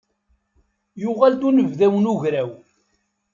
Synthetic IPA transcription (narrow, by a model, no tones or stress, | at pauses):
jʊʁælt̪unəvðæwənuʝɾæw